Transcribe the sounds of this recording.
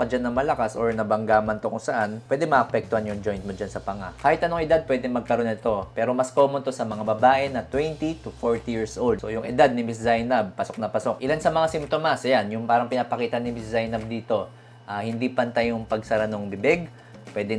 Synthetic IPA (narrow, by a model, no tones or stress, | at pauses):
kɐd͡ʒanːɐmɐlɐkasoɹnɐbɐŋɡaːmɐnt̪okʊŋsɐʔanpwɛːd̪ɛmɐʔɐpɛk̚t̪ʊhanjʊŋd͡ʒo̞jnt̪̚mod͡ʒansɐpɐŋakaːhɪt̪ʔɐno̞ŋɪd̪ad̪̚pwɛd̪ɛŋmɐɡ̚kɐɾo̞nɪt̪o̞pɛːɾo̞mɐsko̞ːmont̪o̞sɐmɐŋabɐbaːʔɛnɐt̪wɛnt̪it̪ʊfoɹt̪ijiɹsʔold̪̚sojʊŋʔɪ̰d̪ad̪̚nɪmɪszajnab̚pɐso̞k̚nɐpɐso̞k̚ʔɪlansɐmɐŋasɪmt̪omasɐjanjʊŋpaːɾɐŋpɪnaːpɐkiːt̪ɐnːɪmɪszajnɐb̚d̪iːt̪o̞ | ʔaːhɪnd̪ipɐnt̪ajʊŋpɐɡ̚sɐɾɐnoŋbɪbɛɡ̚ | pwɛd̪ɛ